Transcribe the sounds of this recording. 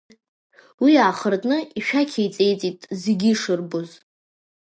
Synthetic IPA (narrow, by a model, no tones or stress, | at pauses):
wiaːχərdʼnɨiʃᶣakʲʰejt͡sʼe̞jt͡sʼitʼzeɡʲiʂɨrboz